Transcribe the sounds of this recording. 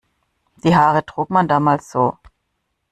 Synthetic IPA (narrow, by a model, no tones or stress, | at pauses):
d̥iːɦaːʁətʁ̥uːkmandaːmaːlsz̥oː